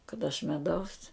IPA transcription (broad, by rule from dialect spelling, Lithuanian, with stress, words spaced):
kɐt ɐʃ mʲɛˈdɐʊs